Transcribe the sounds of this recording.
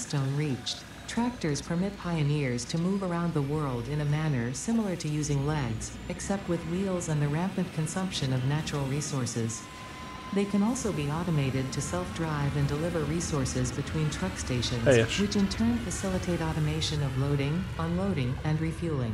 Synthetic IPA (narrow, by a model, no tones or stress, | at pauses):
stõʊ̃nɹit͡ʃ | tʰɹ̥æk̚tə˞z̥pʰə˞mɪt̚pʰaɪɨnɪɹz̥tʰɨmuvə˞ãʊ̃nðəwɜ˞lˠdɨ̃nɨmænə˞sɪ̃ml̩ˠə˞ɾɨjʉzɪ̃ŋlɛɡz̥ | ɨksɛp̚t̚wɨðwilˠzə̃nðɨɹæ̃mpɨd̚kʰɨ̃nsʌ̃mpʃɨ̃nʌvnæt͡ʃɹl̩ˠɹisɔɹsɪz | ðeɪkʰɨ̃nɔlˠsoʊbiɑɾəmeɪɾɨd̚tʰɨsɛlˠfdɹaɪvɨ̃ndəlɪvə˞ɹisɔɹsɪzbɨtʰw̥ĩntʰɹ̥ʌksteɪʃɨ̃nzwɨt͡ʃɨ̃ntʰɜ̃˞nfɨsɪlˠətʰeɪɾɑɾɨmeɪʃɨ̃nʌvloʊɾɪ̃ŋ | ə̃nloʊɾɪ̃ŋɨ̃nɹifjʉlˠɪ̰̃ŋ